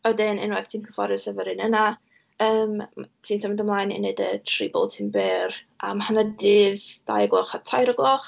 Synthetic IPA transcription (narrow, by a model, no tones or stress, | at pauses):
ɔdɪnɪ̰nwɛθtʰiːnkʰəfɔɾɪsəvəɾɨnəna | əːmtʰiːntʰɔmɛdamlˠaːjnḭnedətʰribɔ̰lˠtʰinbɛːramhanadɨːðd̥a̰jɡlˠɔχatʰajɾəɡlˠɔχ